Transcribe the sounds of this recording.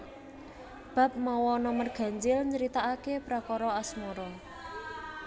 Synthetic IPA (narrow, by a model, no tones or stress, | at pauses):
b̥a̤p̚mɔwɔnɔmərɡ̥a̤ɲd͡ʒɪlɲt͡ʃəɾit̪aakepɾakɔɾɔasmɔɾɔ